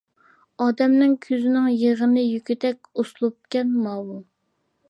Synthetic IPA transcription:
ɑːd̪ɛmnɪŋkʲʰøzɪnɪŋjeʁənɨjykʲyt̪ɛk̚ʲoslˠup̚kʲɛnmɑːwu

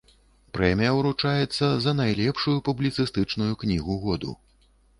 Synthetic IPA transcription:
pɾɛmʲijɐwɾut͡ʂajɛt̪sːɐzɐnajlʲɛpʂujupublʲit̪sɨst̪ɨt͡ʂnujuknʲiɣuɣɔd̪ṵ

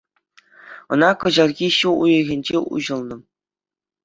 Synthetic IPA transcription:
ɤ̆nɑkɤ̆ʑɑlˠɣʲiɕuujɤ̆ɣʲenʲd͡ʑeʔṵʑɤ̆lˠnɤ̆

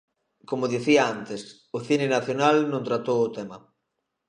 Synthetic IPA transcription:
komʊðiθiaant̪ɪs | ʊθinɪnaθjonalnõnt̪ɾat̪owʊt̪ɛma

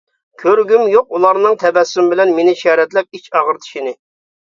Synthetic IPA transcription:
kʲʰøɾɡʲymjoqulˠɑɾnɨŋt̪ʰɛbɛsːymbɪlɛnmenɪʃɛːɾɛt̪lɛp̚it͡ʃɑʁəɾt̪ʰi̥ʃinɪ

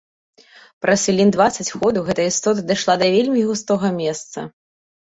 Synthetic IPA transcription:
pɾɐsʲfʲilʲind̪vat̪sɐt͡sʲxɔd̪ɐwɣɛt̪ɐjəist̪ɔt̪̬ɐd̪ɨʂlˠad̪ɐvʲelʲmʲiɣust̪ɔɣɐmʲɛst̪sɐ̰

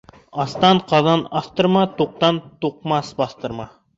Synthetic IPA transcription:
ɑst̪ɑnqʰɑzɑnɑst̪ɤɾmɑt̪ʰoq̚t̪ɑnt̪oq̚mɑsbɑst̪ɤɾmɑ

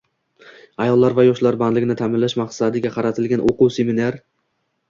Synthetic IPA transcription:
ajɒlˠːaɾvajɒʃlaɾband̪lɪɡʲɪnɪt̪ʰamɪnlːaʃmaqsad̪ɪɡʲaqʰɑɾat̪ʰɪlɡʲanʔoqʊwse̞minaɾ

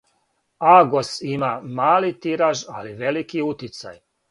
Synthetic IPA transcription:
aɡosimamaːlit̪iɾaʒa̰liʋelikiut̪it̪sa̰j

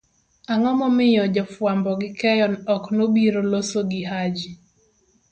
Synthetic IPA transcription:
aŋɔmɔmɪjɔd͡ʒɔfwambɔɡɪkɛjɔnɔknobiɾolosoɡɪɦad͡ʒi

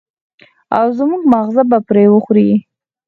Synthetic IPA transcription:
awzmuɡmaɣzabapɾewəxɾi

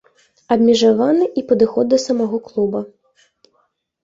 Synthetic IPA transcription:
ɐbʲmʲɛʐavanɨʔipɐd̪ɨxɔd̪̚ːɐsɐmaɣɔklˠubɐ

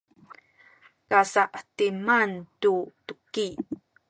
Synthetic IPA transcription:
kasaʔtimantutuki

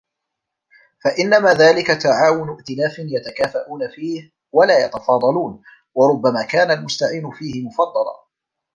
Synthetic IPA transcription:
faʔɪnːamaːðaːlɪkat̪aʕaːwʊnʊʔt̪ɪlaːfɪnjat̪akaːfaʔuːnafiːh | walaːjɑ̰t̪ɑfɑːd̪ˤɑluːn | wɑɾˤʊbːamaːkaːnalmʊst̪aʕiːnʊfiːhɪmʊfɑd̪ˤːɑlɑ̰

